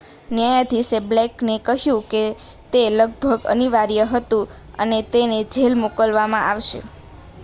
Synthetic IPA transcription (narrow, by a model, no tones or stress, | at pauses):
njajad̪ʱisebleknekəɦjũke | t̪eləɡ̚bʱəɡə̰niʋaɾijəɦət̪ũ | ə̰net̪ened͡ʒʱelmukəlʋamãʔaʋʃḛ